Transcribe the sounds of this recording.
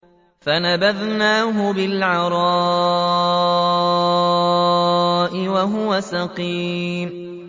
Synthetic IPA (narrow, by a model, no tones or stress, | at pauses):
fanabaðnaːɦʊbɪlʕɑɾˤɑ | ʔɪwaɦʊwasaqiːm